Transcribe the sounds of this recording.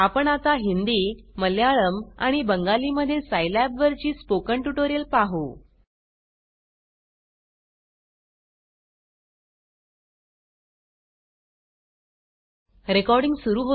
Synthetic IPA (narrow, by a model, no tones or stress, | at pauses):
apəɳat̪aɦind̪iːməljaɭəma̰ɽ̃ibəŋɡaliːməd̪ʱːjesajlæbʋəɾt͡ɕiːspokəɳʈuʈoɾijəlpaɦu | ɾekɔɾɽiŋɡsuɾuːɦo